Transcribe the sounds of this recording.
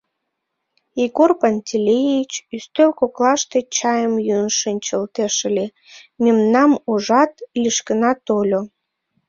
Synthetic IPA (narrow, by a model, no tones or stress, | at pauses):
iɣorpanʲt̪ʲilʲejit͡ɕyst̪ølkoklɑʃt̪et͡ɕɑjəmjønʃənʲt͡ɕəlt̪eʃəlʲe | mʲemnɑmoʒɑt̪liʃkənɑt̪olʲo